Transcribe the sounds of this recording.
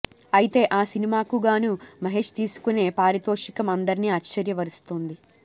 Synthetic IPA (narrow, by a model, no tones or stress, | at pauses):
ɐjit̪e̞ːʔaːsinimaːkuɡaːnumɐɦe̞ːʂt̪iːsu̥kune̞ːpaːɾit̪oːʂikɐmɐnd̪ɐɾiniːɐtːt͡ʃɐɾjɐʋɐɾust̪oːnd̪i